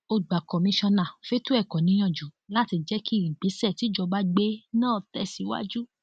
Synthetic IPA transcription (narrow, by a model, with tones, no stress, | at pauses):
o˧˨ɡ͡ba˨kɔ˨mĩ˧ʃɔ̃˧nã˨fe˦tu˦ɛ˦˨kɔ˨nĩ˧˦j̃ɔ̃˦˧˨d͡ʒu˨˦la˦ti˧d͡ʒɛ˦ki˦i˨ɡ͡be˨˦sɛ˦˨ti˨˦d͡ʒɔ˧ba˦ɡ͡be˦nãː˦˨tɛ˧˦si˨˦wa̰˦d͡ʒu˦